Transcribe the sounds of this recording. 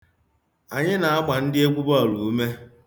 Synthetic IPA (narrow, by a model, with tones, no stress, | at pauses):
a˨ɲɪ˦na˨a˦ma˨n̩˦dɪ˦e˦kʷu˦bɔ˦˨lu˨u˦me˦